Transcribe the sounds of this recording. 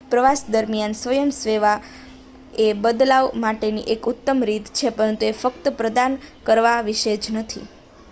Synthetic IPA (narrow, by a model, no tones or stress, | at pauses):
pɾəʋasd̪əɾmijansʋəjəmsʋeʋa | ebəd̪laʋmaʈeniʔekut̪ːəmɾit̪t͡ʃʰepəɾənt̪uefəkt̪əpɾəd̪ankəɾʋaʋiʃed͡ʒnət̪ʰḭ